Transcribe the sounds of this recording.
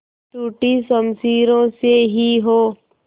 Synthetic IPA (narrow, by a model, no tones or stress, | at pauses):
ʈuːʈisəmsiːɾõseɦiɦoː